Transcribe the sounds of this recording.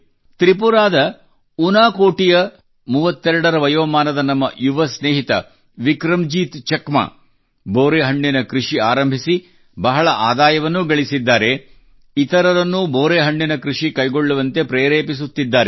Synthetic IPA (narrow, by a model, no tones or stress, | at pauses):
t̪ɾipuɾaːd̪ɐ | unaːkoːʈijɐ | muːʋɐt̪ːɛɾɐɽɐɾɐʋɐjoːmaːnɐd̪ɐnɐmːɐ̰ʔjuʋɐsneːɦit̪ɐ̰ | ʋikɾɐmd͡ʒiːt̪t͡ʃɐkma̰ː | boːɾeːɦɐɳːinɐkɾuʂiaːɾɐmbʱisi | bɐɦɐɭɐʔaːd̪aːjɐʋɐnːuɡɐɭisid̪ːaːɾe | it̪ɐɾɐɾɐnːuboːɾeːɦɐɳːinɐkɾuʂikɐjɡoɭːuʋɐnt̪e̞pɾeːɾeːpis̬ut̪ːid̪ːaːɾe